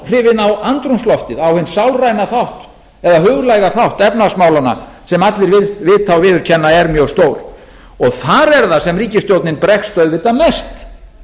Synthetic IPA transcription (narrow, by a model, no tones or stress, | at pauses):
r̥ɪːvɪnawant̪ɾunslɔft̪ɪðawhʏnsawlrajnaθawht̪ | ɛðaɦʏːɣlajɣaθawht̪ɛpnasmaːwlana̰ | sɛmat̪lɪɾvɪvɪðt̪ʰawvɪːðʏɾ̥cʰɛnːaɛɾmjœɣst̪oːwɾ̥ | ɔɣθaɾɛɾðasɛmriːcɪst̪jowt̪nɪnpɾɛxst̪œɥðvɪːt̪ːamɛst̪